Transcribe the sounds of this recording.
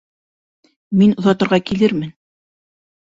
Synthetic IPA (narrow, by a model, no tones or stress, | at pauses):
minŏðɑt̪ɤ̆ɾʁɑkilɘɾmɘn